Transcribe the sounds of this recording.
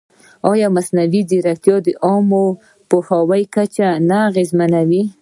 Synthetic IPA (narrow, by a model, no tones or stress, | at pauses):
ɑjɑmasnawid̪iɾakt̪jɑd̪əʔɑmo | pohawajkat͡ʃanaɣezmanawi